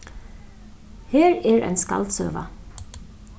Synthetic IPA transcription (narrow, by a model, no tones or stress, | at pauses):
heːɹɛːɹʔɛ̰ɪnskɑ̰lt̪sø̰ːʋa̰